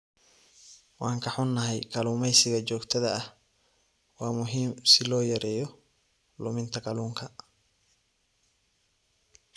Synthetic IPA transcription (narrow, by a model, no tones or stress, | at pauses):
wɑːŋkʰɐħʊnːɐɦɛjkɐluːmɛjsɪɣɐt͡ʃɔːɡt̪ʰɐðɐːh | wɑːmʊɦiːmsɪlɔːjɐɾɛːjɔ | lʊ̰mɪnt̪ʰɐɡɑluːŋkʰɐ